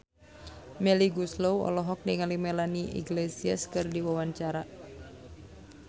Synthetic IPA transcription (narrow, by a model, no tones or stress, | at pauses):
mɛliɡuslowɔ̰lɔɦɔk̚niŋalimɛlaniʔḭɡlesiaskɨrdiwawaɲt͡ʃaɾa